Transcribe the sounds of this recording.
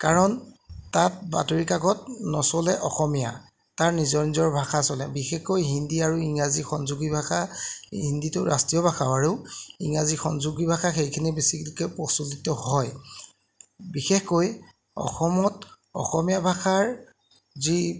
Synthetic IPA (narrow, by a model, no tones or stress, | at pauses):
kaɹɔntat̚ba̰toɹikaɡɔt̚nɔsɔlɛʔɔxɔmija̰ | taɹnizɔɹnizɔɹbʱaxasɔlɛ̰bixexkojɦindiaɹuiŋazixɔnzuɡibʱaxaɦinditʊɹa̰stijɔbʱaxʰaʊaɹuiŋazixɔnzuɡibʱaxaxejkʰinibesiklikɛpɔsulitɔhɔj | bixexkoj | ɔ̰xɔmɔt | ɔ̰xɔmijabʱaxaɹ | zi